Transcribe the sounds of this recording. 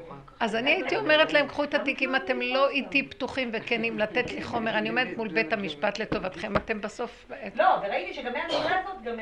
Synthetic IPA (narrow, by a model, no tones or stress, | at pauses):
ʔazaniaitio̞meʁet̪lae̞mkχuet̪atikimate̞mlo̞itiptuχimvekenimlat̪et̪leχo̞me̞ʁanio̞meet̪mulbethamiʃpat̪le̞to̞vat̪χe̞mate̞mbaso̞floveʁaitiʃeɡameanoazot̪ɡam